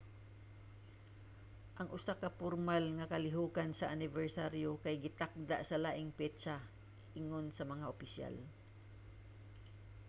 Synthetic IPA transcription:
ʔɐŋʔʊsakɐpʊɾmalŋɐkɐlɪɦuːkansɐʔanɪvɛɹsaɾjokajɡɪt̪ak̚d̪aʔsɐlaːʔɪŋpɛt͡ʃa | ʔɪŋonsɐmɐŋaʔopɪsja̰l

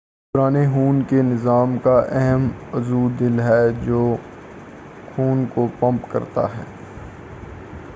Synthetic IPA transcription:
pʊɾaːneɦuːnkenɪzaːmkaʔɛɦɛmɐzuːd̪ɪlɦɛd͡ʒoː | xʰuːnkopɐ̃mpkɐ̰ɾt̪a̰ɦɛ̰ː

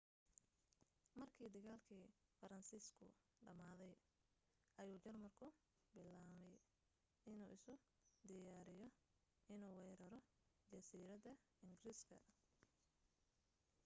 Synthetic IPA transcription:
mɐrkʰiːd̪ɐɣaːlkʰiːfɐɾɐnsiːskʰʊ̰ | ɖɐmaːðɛj | ʔɐjuːt͡ʃɐrmɐrkʰʊ | bɪlːaːmɛj | ɪnuːʔɪsʊ | d̪ɪjaːɾɪjɔ | ɪnuːwɛjɾɐɾɔ | d͡ʒɐsiːɾɐðɐ | ɪŋɡriskʰɐ̰

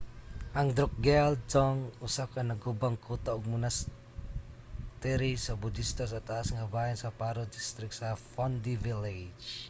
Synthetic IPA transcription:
ʔaŋd̪ɾɔk̚ɡɛld͡ʒɔŋusakanəɡubaŋkut̪ɔuk̚munas | t̪iɾisɔbud̪ist̪ɔs̬at̪asŋabaɛnsapaɾud̪ist̪ɾik̚safɔnd̪iviled͡ʒ

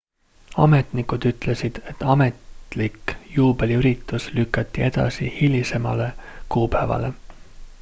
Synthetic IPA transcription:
ɑ̰me̞t̪nikud̪̥yt̪ˑle̞sid̪̥e̞t̪ːˑɑme̞t̪likjuːbe̞liyɾit̪ːˑuslykːˑɑt̪ˑːie̞d̪̥ɑ̰sḭhilʲise̞mɑ̰le̞kuːpæːvɑ̰le̞

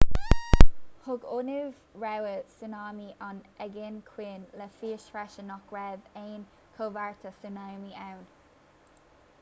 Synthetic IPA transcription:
hʊɡʊnɪv | ɹɛwəsunaːmiʔɔnɛɡɪnkʰweːnlɛfiːəʃɹaʃənɔkɹɛdeːn | kʰovaɹt̪ʰəsunawmiawn

